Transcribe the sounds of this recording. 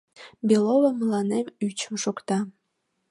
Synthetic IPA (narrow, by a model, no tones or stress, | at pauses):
bʲelovəmlɑnemyt͡ɕəmʃokt̪ɑ